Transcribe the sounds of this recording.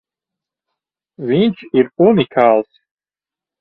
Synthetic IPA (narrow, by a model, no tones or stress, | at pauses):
wint͡ʃʰirpʼunikʰaːls